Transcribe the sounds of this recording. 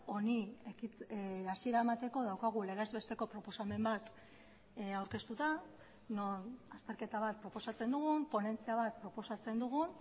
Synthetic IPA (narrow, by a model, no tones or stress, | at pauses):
o̞niekit͡sasie̞ɾaemat̪e̞ko̞ðawkaɣ̞ule̞ɣezβe̞st̪e̞ko̞pɾo̞po̞same̞mbat̪ | awɾke̞st̪ut̪a | nonast̪e̞ɾke̞t̪aβ̞at̪̚pɾo̞po̞sat͡se̞nd̪uɣumpo̞ne̞nt͡siaβ̞at̪̚pɾo̞po̞sat͡se̞nd̪uɣ̞un